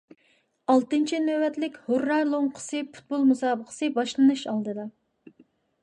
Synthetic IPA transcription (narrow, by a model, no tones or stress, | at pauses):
ɑlˠt̪ɨnt͡ʃʰinøwɛt̪lɪkʲhorːɑɾlˠoŋqʰə̥sɨpʰu̥t̪̚bolˠmusɑːbəqʰə̥sɨbɑʃlˠɨnɨʃɑlˠd̪ɨd̪ɑ